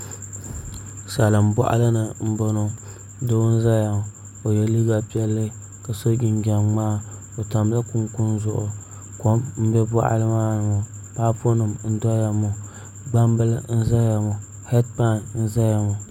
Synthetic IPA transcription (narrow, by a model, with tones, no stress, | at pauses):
sa˨lɨ˨m˨bɔ̰˦ʔa̰˦lɨ˦nɨ˨m̩˦bo˦no˦ | do˦n̩˦za˦ja˨m˨ | o˨jɛ˨li˦ɡa˦pi˦ɛ˦lːɨ˦ | ka˨so˦ɡʲɪ˨n˦ɡʲa˨mː˦aː˦ | o˨ta˨m˦la˦kʊ˦ŋkʊ˦nzʊ˦ʔʊ˨ | ko˦mm̩˦bɛ˦bɔ˦ʔa̰˨lɨ˦maː˦nɨ˨mo˨ | pa˦po˦nɨ˨mn̩˦dɔ˦ja˨mo˨ | ɡ͡ba˦mbɨ˦lɨ˦n̩˦za˦ja˨mɔ˨ | hɛ˦tpa˦˨nn̩˦za˦ja˨mʊ˨